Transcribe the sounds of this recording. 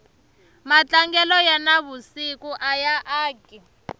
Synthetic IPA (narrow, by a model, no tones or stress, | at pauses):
mat͡ɬaŋɡɛlɔjanaβusikuʔajaʔaːɡʱi